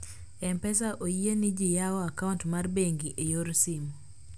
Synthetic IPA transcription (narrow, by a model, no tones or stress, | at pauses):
ɛmpɛs̬aʔoienɪd͡ʒɪjaɔakauntmarbeŋɡiʔejoɾsim